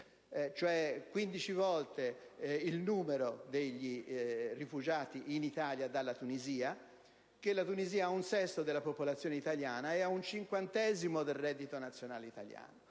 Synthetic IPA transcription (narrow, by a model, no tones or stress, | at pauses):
t͡ʃoɛkwind̪it͡ʃivɔlt̪eilnuːmeɾod̪eʎːirifud͡ʒaːt̪iʔinit̪aːljad̪alːat̪uniziːa | k̟elːat̪uniziːaaunsɛsːod̪elːapopolat̪sːjoːneit̪aljaːnaɛaunt͡ʃiŋkwant̪ɛːzimod̪elrɛd̪ːit̪onat̪sːjonaːleit̪a̰lja̰ːno